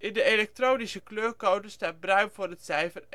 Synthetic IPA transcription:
ʔɪndəelɛk̚troːnisəkløːrkowdəstaːt̚brœɥnvʊːɹətsɛjfər

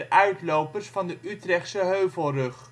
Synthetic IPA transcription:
ʔœɥtlowpərsfɑndəʔytrɛχtsəɦøɥvəlˠrɵχ

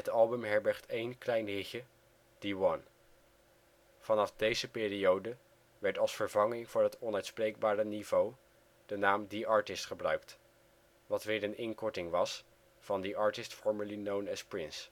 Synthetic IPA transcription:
ɦətɑlˠbəmɦɛɹbɛɹχtejnklɛjnɦɪxə | d̥iwɑn | v̥ɑnɑfdejzəpɪːriowdə | ʋɛɹtɑlˠsfəɹvɑŋɪŋvʊːɹɦətɔnœɥtsprejɡ̚baːɾənivow | d̥ənaːmdiɑːɹtɪstχəbrœɥkt | ʋɑtʋɪːɹənɪŋkɔɹtɪŋʋɑs | fɑndiʔɑɹtɪstfɔɹməɹlinownɛspɹɪns

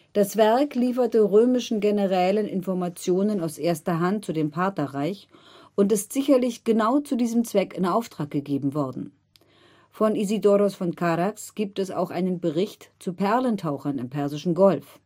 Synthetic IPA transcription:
d̥asv̥ɛɐkliːfɐtəʁøːmɪʃn̩ɡenəʁɛːlənʔɪ̰nfɔɐmat͡sjoːnənaʊsʔeːɐstɐɦant̚t͡sudeːmpʰaɐtɐʁaɪçʔʊntɪstz̥ɪçɐlɪçɡ̥ənaʊt͡sudiːzəm̩t͡sv̥ɛkɪnaʊftʁ̥aːk̚ɡ̥əɡeːbm̩vɔɐdn̩ | fɔnizidɔɾosfɔnkʰaʁaksɡ̥iːp̚tɛsa̰ʊxʔaɪnənbəʁɪçtt͡supʰɛɐləntʰaʊxɐnɪmpʰɛɐzɪʃn̩ɡɔlf

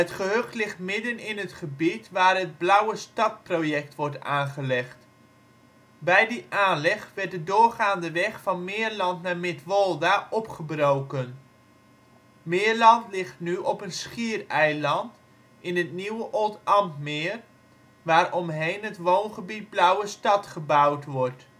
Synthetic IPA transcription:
ətχəɦøχtlɪχtmɪdənɪnətχəbitʋaːrɦəd̚blœwəstɑt̚projɛk̚tʋɔɹtaːnχəlɛχt | bɛjdiʔaːnlɛχʋɛɹt̚dədʊːɹχaːndəʋɛχfɑnmɪːəɹlɑntnaːmɪtʋɔlˠdaʔɔpχəbrowkən | mɪːəɹlɑntlɪχtnyʔɔpənsχiərɛjlɑnt | ɪnɦətniwəʔɔlˠtɑmtmɪːr | ʋaːɾɔmɦejnɦətʋownχəbit̚blœwəstɑtχəbʌwtʋɔɹt

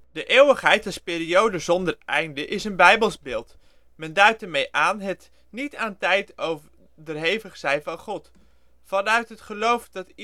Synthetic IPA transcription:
d̥əʔeːwəχɦɛjtɛspɪːɾiowdəzɔndərʔɛjndəʔɪsənbɛjbəlˠsbɪːlˠt | mɛndœɥtdəɹmejʔaːnɦət | nitaːntɛjtowvə | dərɦejvəχsɛjvɑnχɔt | fɑnœɥtɦətχəlowfdɑt

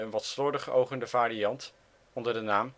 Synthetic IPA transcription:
ənʋɑtslɔɹdəχo̰wχəndəvaːɾijɑnt | ɔndəɹdənaːm

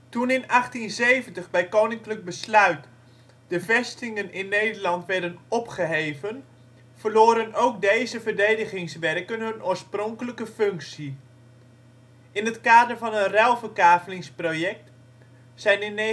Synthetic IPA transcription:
tunɪnɑχtinzejvəntəχbɛjkownɪŋklək̚bəslœɥt | d̥əvɛstɪŋənɪnːejdəɹlɑntʋɛɹdənɔpχəɦejvən | v̥əɹloːɾənowkdejzəvəɹdejdəχɪŋsʋɛrkənɦɵnʔoːɹsprɔŋkələkəfɵŋksi | ʔɪnɦətkaːdəɹvɑnənrɛlˠvərkaːvəlɪŋsprojɛk̚t | sɛjnɪn

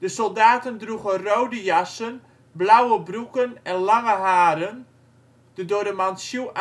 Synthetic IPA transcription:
d̥əsɔlˠdaːtəndruɣənrowdəjasən | blawəbrukənɛnlaŋəɦaːɾən | d̥ədoədəmansjuʔ

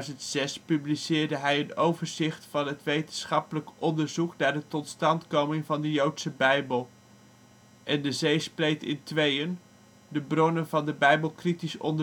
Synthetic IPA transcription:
zəntsɛspyblisɪːɹdəɦɛjənowvəɹzɪχtfɑnɦətʋejtənsχɑpələkʔɔndəɹzuknaːɹdətɔtstɑntkowmɪŋvɑndəjowtsəbɛjbəlˠ | ʔɛndəzejsplejtɪ̰ntʋejən | dəbrɔnənvɑndəbɛjbəlˠkritisɔ̰ndə

